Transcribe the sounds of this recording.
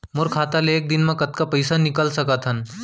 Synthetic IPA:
moɾkʰaːt̪aleːk̚d̪inmɐ̃kɐt̪kapəjsanikəlsɐkət̪ʰɦən

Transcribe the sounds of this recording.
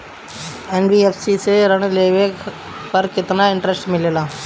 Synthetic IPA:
enbiːefsiseɾɐɳuleːʋeːk | ʋɐɾkɪt̪ːɐnaːɪɳʈɾesʈmɪlːɐlaː

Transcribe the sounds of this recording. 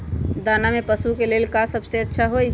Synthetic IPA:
d̪aːnamepəsukelelkasəbseətːʃʰaɦoi

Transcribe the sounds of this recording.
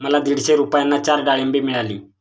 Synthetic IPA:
mɐlːɐd̪iɽiseɾuːpaːjɐnːɐt͡ʃaːɾɖaːɭembimiɽali

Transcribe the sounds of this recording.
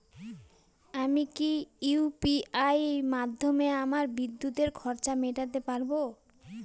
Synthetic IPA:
amikipiajmad̪ʱːomeamaɾbid̪ːut̪eɾkʰɔɾt͡ɕameʈat̪epaɾbo

